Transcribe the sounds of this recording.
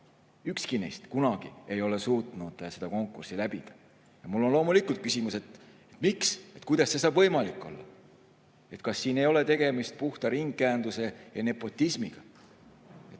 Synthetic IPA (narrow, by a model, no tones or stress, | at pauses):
ykskinḛjst̪kunɑɡ̥ḭe̞jo̞le̞suːt̪ˑnud̪̥se̞d̪̥ɑko̞ŋkːˑursilæbid̪̥ɑ̥ | jɑmulːo̞nlo̞ːmulikːˑult̪̚kysʲimuse̞t̪ | et̪ːˑmikse̞t̪kujd̪̥ɑsːe̞sɑːb̥vɤ̞jmɑlikːˑo̞̰lːɑ̰ | e̞t̪kɑsːiːne̞jo̞le̞t̪e̞ɡ̥e̞mist̪̚puht̪ɑɾiŋɡːeænd̪use̞jɑne̞pːˑo̞t̪ʲːˑismiɡ̥ɑ | et̪